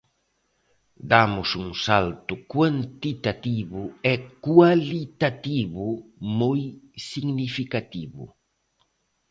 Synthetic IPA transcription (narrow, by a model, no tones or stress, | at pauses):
d̪amʊsuŋsalt̪ʊkwant̪it̪at̪iβʊɛkwalit̪at̪iβʊmojsiɡnifikat̪iβʊ̰